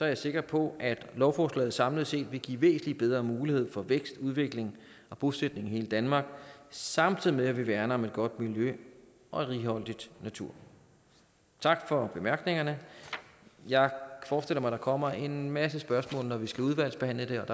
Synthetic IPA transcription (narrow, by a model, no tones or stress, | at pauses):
sɒ̽æɐjäse̝ɡ̥ɐpʰɒ̽ʔæd̥lɒʊfɒːslɛ̰ɪð̩ˠsɑ̈mləð̩ˠse̝̰ːd̥ʋe̝ɡ̥ḭːʋe̝̰ːsn̩lib̥eðˠʁɐːmuːlihe̝ð̞̰ˠfɒ̽ʋeɡ̥sd̥uð̞ˠʋe̝ɡ̥le̝ŋ | ɒ̽b̥osed̥ne̝ŋhe̝ːləd̥ænmɑ̈ːɡ̥sɑ̈mt͡sʰiðˠimeæʋiʋæɐnɐɒ̽me̝d̥̚ɡ̥ɒ̽d̥miljø | ʔɒ̽ʁiːɦɒ̽l̰d̥id̥næt͡sʰuɐ̰ | t͡sʰɑ̈ɡ̥fɒ̽b̥e̝mæɐɡ̥ne̝ŋɐnə | jɑ̈ɪfɒːsd̥el̰ɐmɑ̈ɪd̥ɑ̈kʰɒ̽m̰ɐe̝nmæsəsb̥ɶɐsmɔ̰ːlnɒʋisɡ̥æuð̞ˠʋæl̰sb̥e̝hæn̰ləd̥e̝ɒ̽d̥ɑ